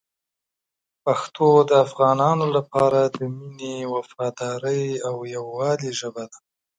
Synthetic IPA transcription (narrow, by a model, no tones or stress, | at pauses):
paxt̪ʰod̪əafɣɑnɑnolapɑɾad̪əminewafɑd̪ɑɾəjawjawːɑliʒəbad̪ḁ